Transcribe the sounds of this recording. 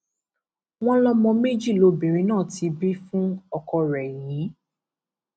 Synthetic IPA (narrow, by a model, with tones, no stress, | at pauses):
w̃ɔ̃˦lɔ˦mɔ̃˧me˦˨d͡ʒi˦˨lo˨˦be˨ɾĩ˨˧nãː˦˨ti˨˧bi˦fũ˦ɔ˧kɔ˧ɾɛ˨jĩ˨˦